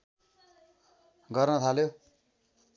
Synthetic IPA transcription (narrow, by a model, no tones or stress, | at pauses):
ɡʌrnʌt̪ʰaljo